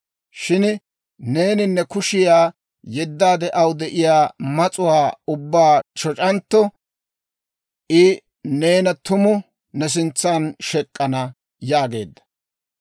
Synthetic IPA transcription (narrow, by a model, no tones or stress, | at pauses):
ʃɪn | ne̞ːnɪnːɛkʊʃɪjaː | jɛd̪ːaːd̪ɛʔɐwd̪ɛʔɪjaːmɐt͡sʼʊwaːʊbːaːt͡ʃɔt͡ʃʼɐnt̪ːɔ | ʔɪ | ne̞ːnɐt̪ʊmʊ | nɛs̬ɪnt͡sːaːnʃɛkʼːɐnɐ | jaːɡe̞̰ːd̪ːɐ̥